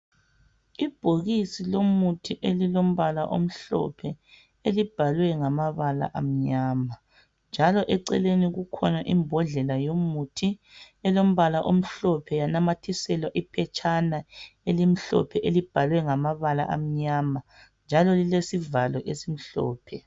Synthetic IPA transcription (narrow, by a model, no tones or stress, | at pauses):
ib̥ʱoɣisilomutʰiʔelilom̩βalaʔo̰m̩ɬɔ̰pʰɛ | elib̥ʱalwɛŋamaβala̰ʔam̩ɲaːma | nd͡ʒʱalɔʔɛǀɛ̰leniɣukʰɔnaʔimbʱɔɮɛlajomutʰi | ɛlom̩βalaʔom̩ɬɔpʰɛjanamatʰisɛlwaʔipʰɛt͡ʃʰʼanaelim̩ɬɔ̰pʰɛʔelib̥ʱalwɛŋamaβala̰ʔa̰m̩ɲama | nd͡ʒʱalɔlilesivalwɔʔesim̩ɬɔ̰ːpʰɛ